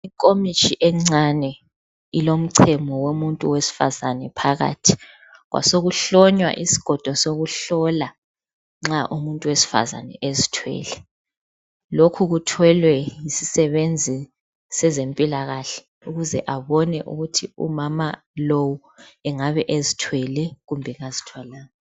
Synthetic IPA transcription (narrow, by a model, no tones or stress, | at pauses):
ikʼomit͡ʃʰʼiʔɛŋ͡ǀanɛ | ilom̩ǀʰɛmɔwomuntʼuwesi̥fazanɛpʰaɣa̰ːtʰi̥ | ɣwa̰soɣuɬɔɲwa̰ʔisi̥ɡ̥ʱɔd̥ʱɔsoɣuɬɔla | ŋ͡ǁaʔumuntʼuwesi̥fa̰za̰nɛ̰ʔezitʰwɛ̰ːlɛ | lokʰuɣutʰwɛlwɛjisisɛβend͡zʱi | sɛzempʼilaɣaɬɛ̥ | uɣuzɛʔaβɔnɛʔṵɣutʰiṵmama | lowu | ɛŋaβɛʔezitʰwɛlɛɣumbʱɛɣazitʰwalaːna